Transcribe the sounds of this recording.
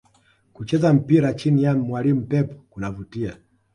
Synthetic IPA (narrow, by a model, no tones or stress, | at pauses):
kut͡ʃɛzam̩piɾat͡ʃinijamwalim̩pɛpɔ̥kunavutia